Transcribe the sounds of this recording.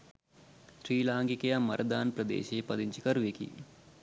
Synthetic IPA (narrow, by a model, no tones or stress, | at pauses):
ʃɾiːlaːŋkikejɐmɐɾʔɐd̪aːnpɾɐd̪ḛːʃeːpɐd̪iɲt͡ʃikɐɾʋeːkḭ